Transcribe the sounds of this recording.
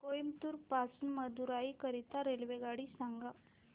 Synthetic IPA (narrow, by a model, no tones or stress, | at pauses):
kojmt̪uːɾpasunməd̪uɾaikəɾit̪aɾelʋeɡaɽisaŋɡa